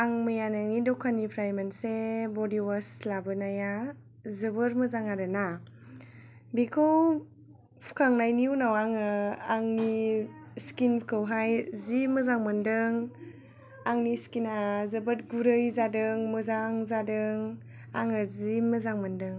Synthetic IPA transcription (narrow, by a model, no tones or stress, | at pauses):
aŋmɯjanaŋidɔkʰanipʰɾajmansebɔdiwaslabɯnaja | zɯbɯɾmɯzaŋaɾɯna | bikʰow | pʰu̥kʰaŋnajniunawaŋɯaŋniskinpʰkʰɯwɦajzimɯzaŋmɯndɯŋ | aŋniskinazɯbɯt̚ɡuɾɯjzadɯŋmɯzaŋzadɯŋ | a̰ŋɯzimɯzaŋmɯndɯŋ